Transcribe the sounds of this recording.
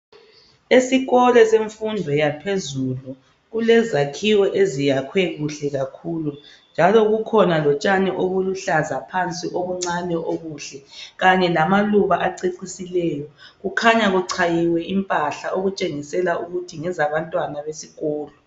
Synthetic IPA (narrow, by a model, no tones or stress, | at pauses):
esiɣɔlɛseɱfundʱwɛjapʰezulu | ɣulɛzakʰiwɔʔezijakʰwɛɣuɬɛɣakʰuːlu | nd͡ʒʱalɔɣukʰɔnalɔt͡ʃʼanɛʔoɣuluɬazapʰant͡sʼiʔoβuŋ͡ǀanɛʔoɣuːɬɛɣaɲɛlamaluβaʔaǀeǀisilɛːjɔɣukʰaɲaɣuǀʰajiwɛimpʼaɬaʔoɣut͡ʃʼeŋisɛlauɣutʰiŋɛzaβantʼwanaβesiɣɔːlɔ